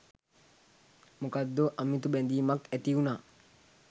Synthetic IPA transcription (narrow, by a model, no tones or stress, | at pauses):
mukɐd̪ːoʔɐmːit̪ubɛnd̪iːmɐket̪iunaː